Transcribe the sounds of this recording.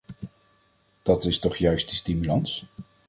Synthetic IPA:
d̥ɑtɪstɔχjœɥstdəstimylɑns

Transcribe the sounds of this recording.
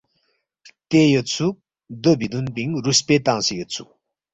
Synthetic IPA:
t̪ejət͡sʰu | d̪əbid̪unpiŋruspet̪aŋsijət͡sʰṵ

